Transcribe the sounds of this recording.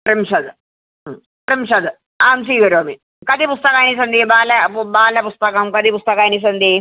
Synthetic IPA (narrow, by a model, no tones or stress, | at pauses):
pɾimɕɐd̪ | pɾimɕɐd̪ | aːmsiɡɐɾjoɐmi | kɐd̪ipust̪əkajñis̬ɐnd̪ibaːlabaːljapust̪əkamkɐd̪ʱiːpust̪ɐkanis̬ɐnd̪e